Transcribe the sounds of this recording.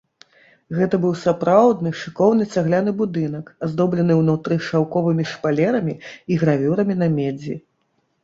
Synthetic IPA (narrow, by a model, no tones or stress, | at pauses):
ɣɛt̪ɐbɨwsapɾawd̪nɨʂɨkɔwnɨt͡sʲaɣlʲanɨbud̪ɨnɐkazd̪ɔblʲɐnɨwnut̪ɾɨxʂawkɔvɨmʲiʂpalʲɛɾɐmʲiiɣɾavʲuɾɐmʲinɐmʲɛd͡zʲḭ